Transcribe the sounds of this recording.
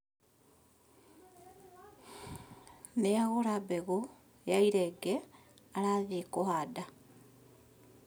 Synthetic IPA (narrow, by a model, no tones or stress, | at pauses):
neaɣoɾabeɣo | eaiɾeɡe | aɾaðikohada